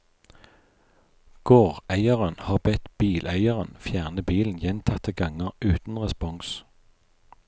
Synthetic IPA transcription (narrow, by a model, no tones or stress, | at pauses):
ɡ̥oːʁæɪəʁənhɑːʁbɛt̪b̥iːlʔæɪəʁənfjæːʁnəbiːln̩jɛnt̪ʰɑt̪əɡɑŋəʁʉːt̪n̩ʁɛspɔŋs